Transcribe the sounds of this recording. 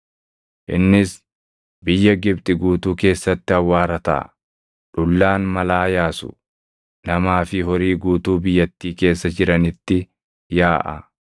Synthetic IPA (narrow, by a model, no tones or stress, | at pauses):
ʔɪnːɪs | bɪjːɐɡɪbt̪ʼɪɡuːt̪uːke̞ːsːɐt̪ːɪhɐwːaːɾɐt̪a̰ː | ᶑʊlːaːnmɐlaːjaːsʊ̰ | nɐmaːfɪɦɔɾiːɡuːt̪uːbɪjːɐt̪ːiːke̞ːsːɐd͡ʒɪɾɐnɪt̪ːɪ | jaːʔɐ